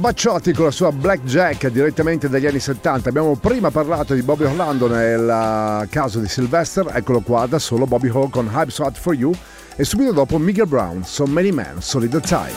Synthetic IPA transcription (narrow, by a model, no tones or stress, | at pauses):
bat͡ʃːat̪ikonlasuːablɛk̚d͡ʒɛkːd̪iɾet̪ːament̪ed̪aʎːianːiset̪ːant̪aːbːjamopɾiːmaparlaːt̪od̪ibɔbioland̪onelkaːzod̪isilvɛst̪eɾɛ̰kːolokwad̪asoːlobɔbiɦɔkonɦajbsat̪fɔɾju | esːuːbit̪od̪ɔːpomikɛlbɾa̰wnsomːɛnimɛ̰nsɔlid̪ət̪a̰j